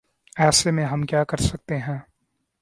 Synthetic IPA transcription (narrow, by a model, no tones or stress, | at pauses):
ɛːsemẽɦɐmkjaːkɐɾsɐk̚t̪eɦɛ̃ː